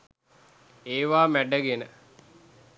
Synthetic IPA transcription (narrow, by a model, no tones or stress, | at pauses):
eːʋaːmæɖəɡenə